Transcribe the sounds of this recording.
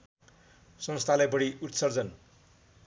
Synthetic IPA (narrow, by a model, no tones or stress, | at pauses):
sʌnst̪ʰalajbʌɽiut̪sʌrd͡zʌn